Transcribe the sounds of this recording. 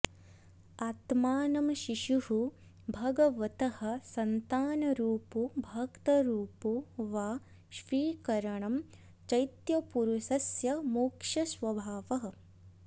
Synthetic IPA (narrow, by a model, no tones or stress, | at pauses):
aːt̪maːnɐmʃiʃuɦu | bʱɐɡɐʋɐt̪ɐhɐ̆sɐnt̪aːnɐɾuːpubʱɐkt̪ɐɾuːpuʋaː | ʃiːkɐɾɐɳɐm | t͡ʃɐjt̪jɐpuɾuʃɐsjɐmoːkʂɐsʋɐbʱaːʋɐɦɐ̆